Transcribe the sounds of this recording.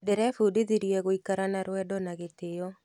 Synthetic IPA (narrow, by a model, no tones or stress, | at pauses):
dɪɾɛfudiðiɾjeɡoikaɾanaɾwɛdɔnaɡɪt̪ɪjɔ